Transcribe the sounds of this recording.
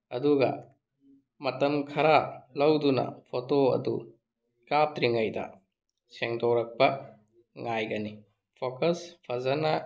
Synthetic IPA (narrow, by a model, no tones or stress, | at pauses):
ɐduɡɐ̰ | mɐtɐmkʰɐɾalɐwdunɐ̰pʰotoɐ̰dṵ | kap̚tɾiŋɐjdɐ̰ | seŋdowɾɐk̚pɐ | ŋajɡɐni | pʰokɐspʰɐzɐnɐ